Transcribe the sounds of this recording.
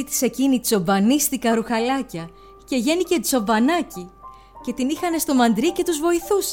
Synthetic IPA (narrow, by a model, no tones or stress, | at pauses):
it̪i̥se̞cinizo̞vɐnist̪ikɐɾuxɐlɐcɐ | ce̞ʝe̞nice̞d͡zo̞vɐnɐci | ce̞t̪inixɐne̞st̪o̞mɐnd̪ɾice̞t̪uzvo̞iθus